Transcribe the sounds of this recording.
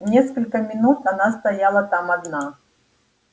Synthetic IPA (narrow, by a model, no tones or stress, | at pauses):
nʲeskəlʲkəmʲɪnut̪ɐnast̪ɐjalˠət̪amɐd̪na